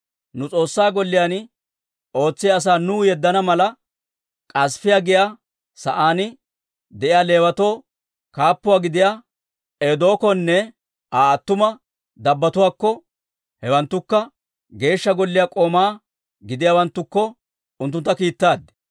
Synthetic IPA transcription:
nʊt͡sʼo̞ːsːaːɡɔlːɪjaːn | o̞ːt͡sːɪjɐs̬aːnuːjɛd̪ːɐnɐmɐlɐ | kʼɐsfɪjaɡɪjaː | sɐʔaːnɪ | d̪ɛʔɪjaːle̞ːwɐt̪o̞ː | kaːpːʊwaːɡɪd̪ɪjaː | eːd̪o̞ːkɔnːɛ | ʔaːɐt̪ːʊmɐ | d̪ɐbːɐt̪ʊwaːkːɔ | hɛwɐnt̪ːʊkːɐ | ɡe̞ːʃːɐɡɔlːɪjaːkʼo̞ːmaː | ɡɪd̪ɪjaːwɐnt̪ːʊkːɔ | ʊnt̪ːʊnt̪ːɐkiːt̪ːaːd̪ːɛ̥

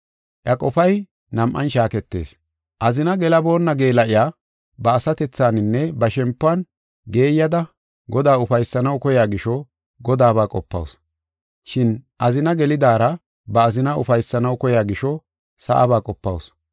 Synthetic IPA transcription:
ʔjɐkʼɔfɐj | nɐmʔɐ̰nʃaːkɛt̪ːe̞̰ːs | ʔɐzɪnɐɡɛlɐbo̞ːnːɐɡeːlɐʔɪjaː | bɐːsɐt̪ɛt͡sːaːnɪnːɛbɐʃɛmpːʊɐn | ɡe̞ːjːɐd̪ɐ | ɡɔd̪aːʊfɐjsːɐnɐwkɔjaːɡɪʃɔ | ɡɔd̪aːbaːkʼɔpːɐ̰ws | ʃɪnʔɐzɪnɐɡɛlɪd̪aːɾɐ | bɐːzɪnɐʊ̰fɐjsːɐnɐwkɔjaːɡɪʃɔ | sɐ̰ʔɐ̰baːkʼɔpːɐ̰ws

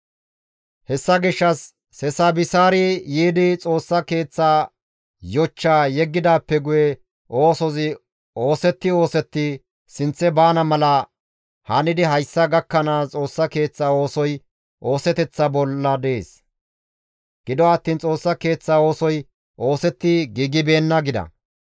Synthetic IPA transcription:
hɛsːɐɡɪʃːɐsː | ɛsaːbɪsaːɾɪjiːd̪ɪt͡sʼo̞ːsːɐke̞ːt͡sːaː | jɔt͡ʃːaːjɛɡːɪd̪aːpːɛɡʊjɛ | ʔo̞ːsɔzɪ | oːsɛt̪ːɪo̞ːsɛt̪ːɪ | sɪnt͡sːɛbaːnɐmɐlɐ | hɐnɪd̪ɪɦɐjsːɐɡɐkːɐnaːt͡sʼo̞ːsːɐke̞ːt͡sːaːo̞ːsɔj | ʔo̞ːsɛt̪ɛt͡sːɐbɔlːɐd̪eːs | ɡ̥ɪd̪ɔɐt̪ːiːnt͡sʼo̞ːsːɐke̞ːt͡sːaːo̞ːsɔj | ʔo̞ːsɛt̪ːɪɡiːɡɪbe̞ːnːɐɡɪd̪ɐ̰

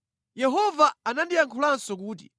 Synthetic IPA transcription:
jɛɦɔvaanandijaŋkʰulansɔk̬uːt̬ḭ

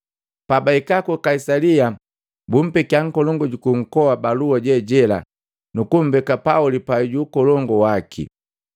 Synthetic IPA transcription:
pabaikakukaisalia | bum̩pɛkjaŋ̩kɔlɔŋɡɔɟukuŋ̩kɔwabaluaɟɛɟɛla̰ | nukum̩bɛkapaulipaiɟuːkɔlɔŋɡɔwakʰḭ

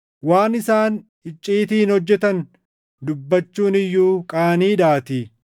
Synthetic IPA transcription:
waːnɪsaːn | ɪt͡ʃʼːiːt̪iːɪnhɔd͡ʒːɛt̪ɐn | d̪ʊbːɐt͡ʃːuːnɪjːuːkʼaːniːd̪aːt̪i

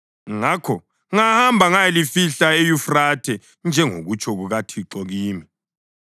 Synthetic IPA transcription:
ŋakʰɔ | ŋahambʱaŋajɛlifiɬaejufratʰɛ | nd͡ʒʱɛŋo̰ɣut͡ʃʰɔɣuɣatʰiǁɔɣiːmi

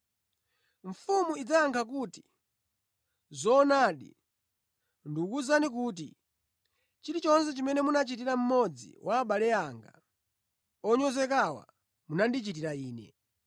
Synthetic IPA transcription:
ɱ̩fumuid͡zajaŋkʰak̬uːti̥ | zɔːnaːɗḭ | ndukuzanik̬uːt̬ḭ | t͡ʃiɾit͡ʃɔnsɛt͡ʃimɛnɛmunat͡ʃitiɾam̩mɔd͡zḭwʔaːɓalɛaŋɡa̰ | ɔɲɔzɛk̬awa̰ | munandit͡ʃitiɾaiːnɛ̰

